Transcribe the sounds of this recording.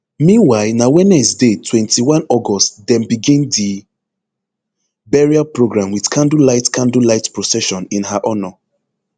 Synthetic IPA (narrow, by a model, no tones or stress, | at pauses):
mĩnwaɪnawɛ̃nɛsdetʰwɛ̃ntʰiwãnɔɡɔstdɛ̃nbiɡĩndi | bɛɹiapɹoɡɹãmwidkʰãndulaɪtkʰãndulaɪtpɹɔsɛʃɔ̃nĩnhaʔɔnɔ